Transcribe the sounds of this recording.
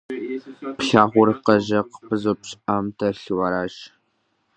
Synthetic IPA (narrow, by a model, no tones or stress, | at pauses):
pɬaːʁʷʊrqɐʑɐqəpʰɨzopɕʼʔamtʰɐɬɨwɐɾaːʒ